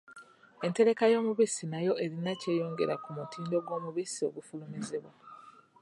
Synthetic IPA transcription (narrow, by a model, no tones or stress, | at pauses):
e̞nte̞ɾe̞kajo̞ːmuβisinajo̞e̞ɾinace̞ːjo̞ːŋɡe̞ɾakumutiːndo̞ɡwo̞ːmuβisio̞̰ɡufulumizeβwa